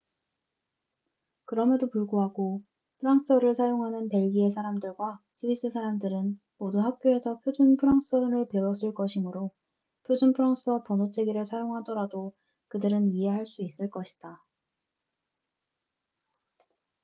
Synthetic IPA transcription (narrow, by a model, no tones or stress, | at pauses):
kɯɾʌmjʌdopuɭɡoɦaɡo | pʰɯɾaŋs͈ʌɾɯɭsʰajoŋɦanɯnpe̞ɭɡie̞sʰaɾamdɯɭɡwas͈ʰɯis͈ɯsʰaɾamdɯɾɯn | moduɦak̚k͈joe̞sʰʌpʰjod͡ʑunpʰɯɾaŋs͈ʌɾɯɭpe̞wʌs͈ɯɭk͈ʌɕʰimɯɾo | pʰjod͡ʑunpʰɯɾaŋs͈ʌpʌnot͡ɕʰe̞ɡiɾɯɭsʰajoŋɦadʌɾado | kɯdɯɾɯniɦe̞ɦaɭs͈uis͈ɯɭk͈ʌɕʰi̥d̥a